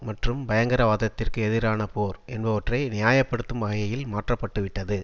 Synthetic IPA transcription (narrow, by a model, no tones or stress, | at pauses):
mɐʈrɯmbɐjɐŋɡɐɾɐʋaːðɐt̪ːɪrkɯɛðɪɾaːnɐpoːɾɛnbɐʋɐʈrɐɪnɪjaːjɐpːɐɽɯt̪ːɯmʋɐɣɐjɐjɪlmaːʈrɐpːɐʈːɯʋɪʈːɐðɯ